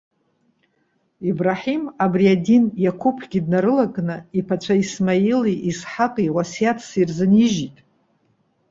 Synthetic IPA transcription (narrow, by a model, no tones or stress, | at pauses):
ibraħimabriadinjakʷʰupʰɡʲidnaɾɨlakʼnɨipʰat͡ʃʷʰaismailiʔːsħaqʼiwasjatʰsirzɨniʒitʼ